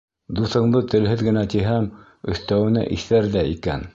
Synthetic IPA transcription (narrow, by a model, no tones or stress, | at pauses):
d̪uθɤ̆ɴd̪ɤt̪ɘ̆lɦɘðɡɘ̆næt̪iɦæm | ɵ̆θt̪æwɘ̆næ̰ʔiθæɾðæikæ̰n